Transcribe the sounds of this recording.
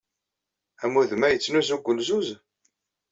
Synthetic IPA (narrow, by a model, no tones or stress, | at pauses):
æmuðmæjət͡sːnuzuɡʷəlzuz